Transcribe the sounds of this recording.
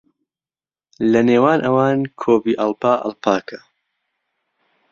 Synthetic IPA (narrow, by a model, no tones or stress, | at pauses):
lɐneːwaːnʔɐwaːnkʰoːbiːʔɐlpaːʔɐ̰lpʰaːkʰɐ̥